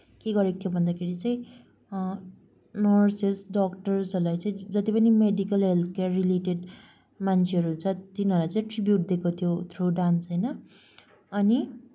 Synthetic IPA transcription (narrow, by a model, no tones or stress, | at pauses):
keɡʌɾekot̪ʰiobʱʌnd̪akʰeɾit͡saĩ | nʌrsesɖʌkʈʌrsʌlajt͡saĩd͡zʌt̪ipʌnimeɖikʌlɦelt̪ʰkarileʈeɖ | mant͡sʰeɦʌɾuɦunt͡sʰʌt̪inɦʌɾlajt͡saĩʈribjuʈ̚d̪ekʰot̪ʰjot̪ʰroɖansɦʌjnʌ | ʌni